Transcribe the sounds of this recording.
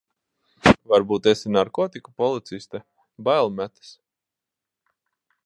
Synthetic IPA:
vaɾbuːt̪esinaɾkɔːt̪ikupɔlˠit̪sist̪ɛ | bajlˠmæt̪ɨ̥s

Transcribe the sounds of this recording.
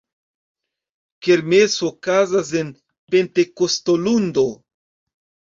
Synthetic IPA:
ke̞ɾmesokazas̬e̞n | ppe̞nte̞ko̞stolund̪o̞

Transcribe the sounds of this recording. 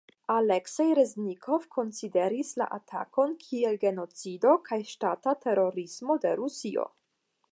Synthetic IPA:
aleksejɾeznikʰo̞vkʰo̞nside̞ɾisla̰ʔatʰa̰ko̞nkʰie̞lɡe̞no̞t͡sido̞kʰajʃtatate̞ɾo̞ɾismo̞de̞ɾusio̞̰

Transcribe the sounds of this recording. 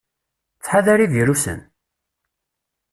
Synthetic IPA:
t͡sːħaðaɾivjəɾusə̰n

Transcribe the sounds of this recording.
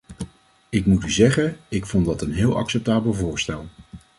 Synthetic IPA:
ɪkmutyzɛχənɪkfɔndɑtənɦɪːlˠɑ̰ksɛp̚taːbəlˠvʊːɹstɛlˠ

